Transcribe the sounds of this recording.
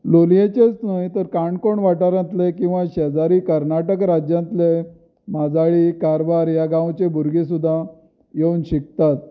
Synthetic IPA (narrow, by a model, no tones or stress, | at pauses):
loljet͡ɕet͡snajt̪əɾkaɳkoɳʋaʈaɾãnt̪lekĩw̃ʋãɕɛd͡zaɾiːkəɾnaʈəkɾad͡ʑjãnt̪le | mad͡zaɭiːkaɾbaɾjaɡãwt͡ɕebʱuɾɡis̬ud̪ʱːa | jeunɕik̚t̪at̪̚